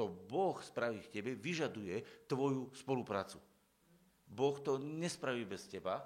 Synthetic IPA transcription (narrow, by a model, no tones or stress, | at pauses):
ɔbɔxspɾaʋiːfcɛbɛʋiʒad̪ujɛt̪ʋɔjuspɔlupɾa̰ːt͡su | bɔxt̪ɔɲɛspɾaʋiːbɛscɛba